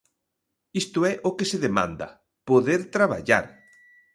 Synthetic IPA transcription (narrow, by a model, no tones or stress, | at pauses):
ist̪ʊɛʔokeseðemã̰nd̪ɐ̰ | poðeɾt̪ɾaβa̰ʎa̰ɾ